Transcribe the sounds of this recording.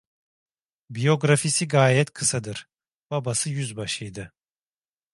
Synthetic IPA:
bijo̞ɡɾafisiɡaːjɛt̪kʰɯsad̪ɯɾ̥ | b̥abasɯjyzbaʃɯjd̪ɯ

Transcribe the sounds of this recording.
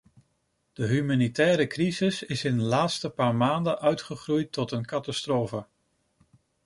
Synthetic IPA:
d̥əɦymaːnitɛːɾəkrizɪsɪsɪndəlaːtstəpaːɹmaːndəʔœɥtχəχrujtːɔtənkɑtastroːfə

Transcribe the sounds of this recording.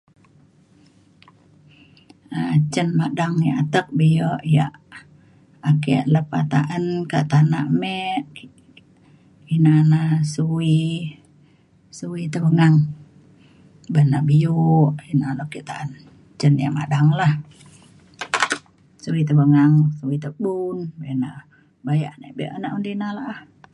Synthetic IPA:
ət͡ʃənmadaŋja̰ʔat̪ək̚bijəʔja̰ʔ | akiʔləpa̰t̪aʔənkaʔt̪ana̰ʔmɛʔ | inanahsuwi | suwit̪əbəŋaŋ | banaʔbijuʔinalokiʔt̪aʔən | t͡ʃənja̰ʔmadaŋlah | suwit̪əbəŋaŋsuwit̪əbunbana | bajaʔnə̰ʔbiʔanaʔundinalaʔah

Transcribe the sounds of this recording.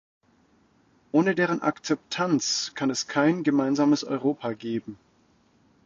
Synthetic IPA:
ʔoːnədeːʁənʔa̰kt͡sɛp̚tʰant͡skʰanɛskʰaɪnɡəmaɪnzaːməsʔɔ̰ʏʁoːpʰaɡeːbm̩

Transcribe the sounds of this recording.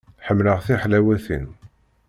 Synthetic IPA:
ħəmːləʁθiħlæwæθḭn

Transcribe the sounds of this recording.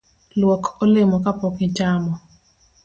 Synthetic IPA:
lwɔkʰɔlɪmɔkapɔkɪt͡ʃamɔ

